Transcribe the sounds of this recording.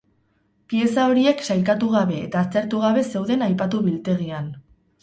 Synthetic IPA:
pie̞sao̞ɾie̞ksajkat̪uɣ̞aβe̞ːt̪aːst̪e̞ɾt̪uɣ̞aβ̞e̞se̞wðe̞najpat̪uβilt̪e̞ɣ̞ian

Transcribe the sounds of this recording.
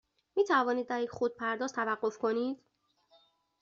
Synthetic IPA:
miːt̪ʰævɒːniːd̪̚ːæɾjecʰxod̪̚pʰæɾd̪ɒːzt̪ʰævæɢːo̞fkʰo̞niːd̪̥

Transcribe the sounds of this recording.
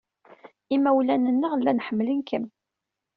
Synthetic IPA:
imːæwlænənːəʁlːænħəmːlənkʰəm

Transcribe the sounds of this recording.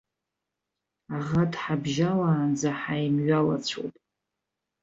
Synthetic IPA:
aʁadħabʒalaːnd͡zaħajmɥalat͡sʷʰo̰jtʼ

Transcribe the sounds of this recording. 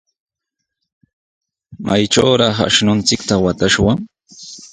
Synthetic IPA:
majʈ͡ʂawɾɑχa̰ʃnʊnt͡sɪkt̪awat̪aʃwaŋ

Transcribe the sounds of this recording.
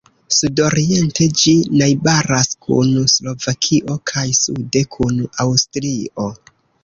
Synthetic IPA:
sudo̞ɾie̞nte̞d͡ʒinajbaɾaskʰṵnuslo̞vakʰiʔo̞kʰajsude̞kʰunuawstɾio̞

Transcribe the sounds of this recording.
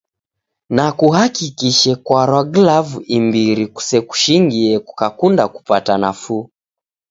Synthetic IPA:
nakuhakikiʃɛkwaɾaɡlavuimbiɾiku̥sɛku̥ʃiŋɡiɛku̥kakundaku̥patanafu

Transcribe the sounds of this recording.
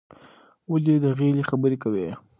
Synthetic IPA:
waled̪əɣelexabəɾekawe

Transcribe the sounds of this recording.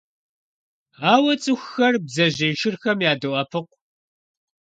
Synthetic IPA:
aːwɐt͡sʼɨxːɐrbzɐʑejʃɪrxɐmjaːdɨʔɐpʰɨqʷ

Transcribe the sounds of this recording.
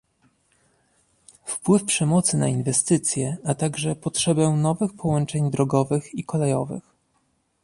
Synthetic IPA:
fpwɘfpʂɛmɔt̪sɘnainvɛst̪ɘt̪sʲjɛat̪aɡʐɛpɔtʂɛbɛnɔvɘxpʰɔwɔnt͡ʂɛɲd̪ɾɔɡɔvɘxikɔlɛjɔvɘ̰x

